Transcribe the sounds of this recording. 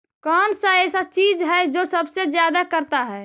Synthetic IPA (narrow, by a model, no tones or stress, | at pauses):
kɔnsə̃esə̃t͡ʃid͡ʒɦɛd͡ʒosəbsed͡ʒjad̪akəɾt̪aɦɛ